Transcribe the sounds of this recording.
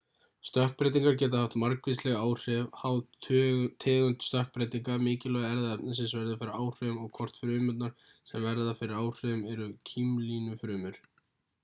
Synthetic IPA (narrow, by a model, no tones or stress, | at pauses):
st̪œhk̚pɾejt̪̬iŋkaɾcɛːt̪ahaft̪maɾkvist̪lɛɣaːwr̥ɛvhawð | t̪ʰɛːɣʏnt̪st̪œhk̚pɾejt̪iŋkamɪːcɪlœɣaɛɾðaɛpnɪns̬ɪnsvɛɾðɪfɪɾɪɾaːwr̥ʏʏmɔɣkʰɔr̥t̪fɾʏːmʏt̪naɾ̥sɛmvɛɾðafɪɾɪɾaːwr̥ʏðʏmɛɾʏcʰimlinʏfɾʏːmʏɾ̥